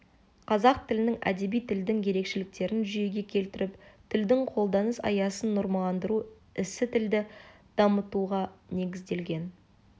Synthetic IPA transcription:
qʰɑzɑq̚t̪ʰɪlɪnɪŋæ̰d̪e̞bijt̪ʰɪld̪ɪŋje̞ɾe̞kʃɪlɪk̚t̪e̞ɾɪnʒʏje̞ɡʲe̞kʲʰe̞lt̪ɪɾɪpt̪ʰɪld̪ɪŋqʰo̞lˠd̪ɑnəsɑ̰jɑsənːʊɾmɑlˠɑnd̪əɾu | ɪsɪt̪ʰɪld̪ɪd̪̥ɑmət̪uʁɑne̞ɡʲɪzd̪e̞lɡʲe̞n

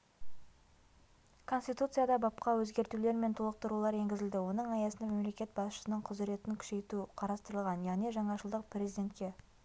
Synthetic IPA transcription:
kʰo̞nst̪ijt̪ut̪sɨjad̪ɑbɑpqɑwɵzɡʲe̞ɾt̪ule̞ɾme̞nt̪ʰulˠəq̚t̪əɾulˠɑɾe̞ŋɡʲɪzɪld̪ɪwo̞nəɴɑjɑsənd̪ɑme̞mle̞kʲe̞t̪̚bɑsʃə̥sənəɴqʰʊzɪɾe̞t̪ɪŋkʲʰʏ̥ʃe̞jt̪uqʰɑɾɑst̪əɾəlˠʁɑnjɑʁne̞ʒɑɴɑʃəlˠd̪əq̚pɾʲe̞zijd̪ʲe̞nt̪kʲe̞

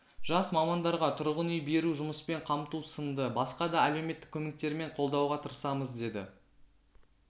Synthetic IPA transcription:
ʒ̥ɑsmɑmɑnd̪ɑɾʁɑt̪ʰʊɾʁənʏjbe̞ɾuʒʊməspe̞ɴqʰɑmt̪usənd̪əbɑsqɑd̪ɑæle̞wme̞t̪ːɪ̥kʲʰːɵme̞k̚t̪e̞ɾme̞ɴqʰo̞lˠd̪ɑwʁɑt̪ʰəɾsɑməzd̪e̞d̪ɪ

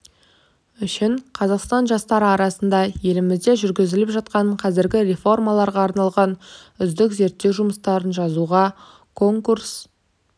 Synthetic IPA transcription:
ʏʃɪɴqʰɑzɑqst̪ɑnʒɑst̪ɑɾəɑɾɑsənd̪ɑje̞lɪmɪzd̪e̞ʒʏɾɡʲɪzɪlɪpʒɑt̪̚qɑɴqʰɑzɪɾɡʲɪɾe̞fo̞rmɑlˠɑɾʁɑːɾnɑlˠʁɑnʏzd̪ɪkze̞ɾt̪ːe̞wʒʊməst̪ɑɾənʒɑzuʁɑ | kʰo̞ŋkuɾs

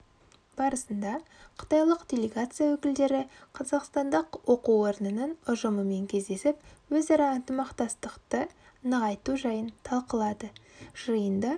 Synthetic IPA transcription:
b̥ɑɾəsənd̪ɑqʰə̥t̪ɑjlˠəqd̪ʲe̞lʲe̞ɡat̪sɨjawɵkʲɪld̪e̞ɾɪqʰɑzɑqst̪ɑnd̪əqwo̞quo̞ɾənənənʊʒəməme̞ŋkʲʰe̞zd̪e̞sɪpwɵzɑɾɑənt̪əmɑqt̪ɑst̪əqt̪ə | nəʁɑjt̪uʒɑjənt̪ʰɑlˠqəlˠɑd̪əʒ̥əjənd̪ɑ

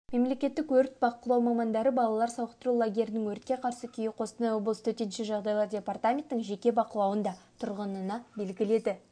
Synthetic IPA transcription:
me̞mle̞kʲe̞t̪ːɪkwɵɾt̪̚bɑqəlˠɑwmɑmɑnd̪ɑɾəbɑlˠɑlˠɑɾsɑwəqt̪əɾulˠaɡʲe̞ɾɪnɪŋwɵɾt̪̚kʲe̞qʰɑɾsəkʲʰijɪqʰo̞sənɑjwoblˠəst̪ʰɵt̪enʃɪʒɑʁd̪ɑjlˠɑɾdʲe̞part̪amʲe̞nt̪ːɪŋʒe̞kʲe̞bɑqəlˠɑwənd̪ɑt̪ʰʊɾʁənənɑbe̞lɡʲɪle̞d̪ɪ

